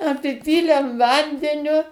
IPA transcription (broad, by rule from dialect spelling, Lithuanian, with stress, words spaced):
ɐpʲɪˈpʲiːlʲɛm ˈʋɐnʲdʲɛnʲʊ